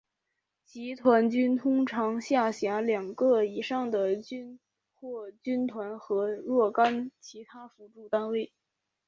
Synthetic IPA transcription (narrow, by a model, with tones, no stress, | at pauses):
t͡ɕi˧˥t̪ʰwa˧˥nt͡ɕy˥nt̪ʰʊ˥ŋʈ͡ʂʰɑ˧˥ŋɕja˥˩ɕja˧˥ljɑ˨˩ŋɡɤ˥˧i˨˩ʂɑ˥˩ŋd̪ə˩t͡ɕy˥n | xwɔ˥˩t͡ɕy˥nt̪ʰwa˧˥nxɤ˧˥lwɔ˥˩ka˥nt͡ɕʰi˧˥t̪ʰa˥fu˧˥ʈ͡ʂu˥˩t̪a˥nwe˥˩ɪ